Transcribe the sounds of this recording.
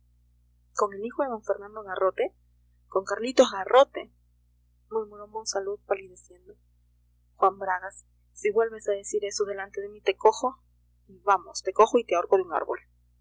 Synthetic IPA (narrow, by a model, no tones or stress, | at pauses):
ko̞ŋe̞lixoðemõɱfe̞ɾnãnd̪oɣaro̞t̪e | ko̞ŋkaɾlit̪oɦɣaro̞t̪e | mumoɾomosaluðpaliðesje̞nd̪o | xwambɾaɣasː | iβwe̞lβe̞saðesiɾe̞soðe̞lant̪e̞ðemit̪e̞koxo | iβamost̪e̞ko̞xoit̪eaoɾkoðeuŋa̰ɾβo̰l